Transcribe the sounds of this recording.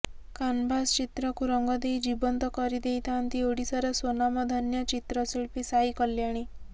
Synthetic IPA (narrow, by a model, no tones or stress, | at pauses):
kanbʱast͡ʃit̪ɾɔkuɾɔŋɡɔd̪ejd͡ʒibɔnt̪ɔkɔɾid̪ejt̪ant̪ioɽisɔɾesonamɔd̪ʱɔnjʌt͡ʃit̪ɾɔsiɭpisaikəljaɽ̃i